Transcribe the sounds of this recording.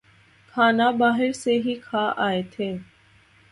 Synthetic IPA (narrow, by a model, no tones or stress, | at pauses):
kʰaːnaːbaːɦɪɾseːɦiːkʰaːʔaːeːt̪ʰeː